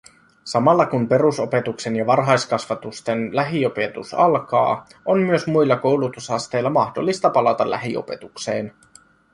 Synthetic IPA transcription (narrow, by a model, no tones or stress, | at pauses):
sɑmɑlːɑkumpe̞ɾuso̞pe̞t̪ukse̞njɑʋɑrɦɑjskɑsʋɑt̪ust̪e̞nlæɦio̞pe̞t̪usɑlkɑ̰ː | o̞nmyøsmujlːɑko̞wlut̪usɑst̪e̞jlːɑmɑxdolːist̪ɑpɑlɑt̪ɑlːæ̰ɦio̰pe̞̰t̪ukse̞ːn